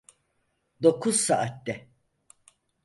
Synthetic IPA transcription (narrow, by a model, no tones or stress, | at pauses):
d̪o̞kʰuz̥saʔat̪d̪ɛ